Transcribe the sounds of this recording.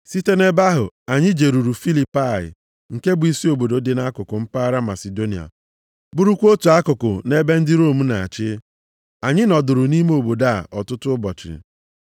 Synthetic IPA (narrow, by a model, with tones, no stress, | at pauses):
si˦te˦ne˦ba˦ɦʊ̰˨a˨ɲɪ˦d͡ʒe˨ɾu˨ɾu˨fi˦li˨pa˦˨ɪ̰˨ | ŋ̩˨ke˦bi˨si˦o˨bo˨do˨de˨na˦kʊ˨kʊ˨m̩˦pa˦ɾa˦ma̰˨se˨do˦ni˨a̰˨ | bʊ˦ɾu˦kʷo˦tu˨a˦kʊ˨kʊ̰˨ne˦be˦n̩˦dɪ˦ɾo˦˨m̩˦na˨a̰˨t͡ʃɪ˦ | a˨ɲɪ˦nɔ˨dʊ˨ɾʊ˨ni˦me˦o˨bo˨da˦˨ɔ˨tʊ˦tʊ˦ʊ˦bɔ˨t͡ʃɪ̰˨